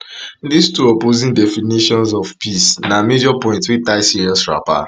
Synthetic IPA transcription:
distuɔpozĩndɛfiniʃɔ̃nsɔfpisnamed͡ʒɔpɔ̃ɪ̃ntwitaɪsiɹɔ̃sɹa̰pa̰

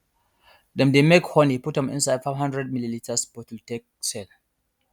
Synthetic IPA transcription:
dɛ̃mdemekhɔniputhɛ̃mḭ̃nsajdfaɪvɦãndɹɛd̚mililitʰəsbɔtultɛk̚sɛl

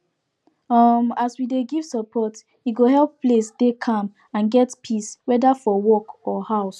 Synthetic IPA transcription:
ʌmaswideɡiv̥səpʰɔt | iɡoɦɛlpːlesdekʰãm | ãnɡɛtpʰiswɛdafɔwɔkɔhaʊs

